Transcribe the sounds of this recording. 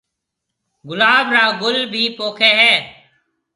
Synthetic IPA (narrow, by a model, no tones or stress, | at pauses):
ɡʊlaːbʱɾaːɡʊlbʱiːpoːkʰeːɦɛː